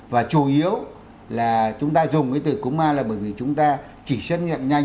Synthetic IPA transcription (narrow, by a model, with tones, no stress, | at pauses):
vaː˨˩t͡ɕu˨˧˩ʔi˨˦əw | laː˨˩t͡ɕʊ˨˦ŋ͡mt̪aː˧zʊ˨˩ŋ͡mkaː˨˦t̪ɨ˧˩kʊ˨˦ŋ͡mmaː˧laː˨˩ɓəː˧˩jvi˨˩t͡ɕʊ˨˦ŋ͡mt̪aː˧ | t͡ɕi˧˩sə˦˥t̚ɲḭ˧˨ə˨mɲa˧